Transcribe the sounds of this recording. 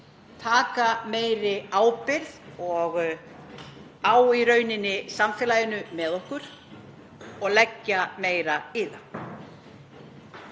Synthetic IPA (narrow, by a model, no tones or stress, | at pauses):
t̪ʰaːkameːjɾɪaːwpɪɾðɔɣ | aːwiɾœːɥnɪnːɪsamfɪːlaːjɪnʏmɛðɔhkʏɾ̥ | ɔɣlɛcːameːjɾaɪːða